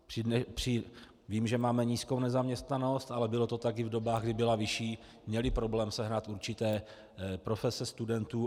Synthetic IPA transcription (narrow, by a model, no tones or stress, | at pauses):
pr̥ɪnɛpr̝̥ɪ | viːmʒɛmaːmɛɲiːsko̞wnɛzamɲɛst̪nano̞st̪ʔalɛbɪlo̞t̪o̞t̪akɪvdo̞baːɣɡdɪbɪlavɪʃiː | mɲɛlɪpɾo̞blɛːmsɛɦnat̪ʔuɾt͡ʃɪt̪ɛː | pɾo̞fɛsɛst̪udɛnt̪uː